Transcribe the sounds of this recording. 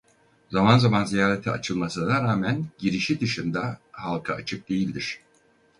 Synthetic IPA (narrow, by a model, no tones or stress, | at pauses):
zamanzamanzijaːɾet̪ʰiat͡ʃʰɯlˠmasɯnaɾaːmænɟiɾiʃid̪ɯʃɯnd̪ahalˠkʰaat͡ʃʰɯk̚d̪e̞jilʲd̪iɾ̥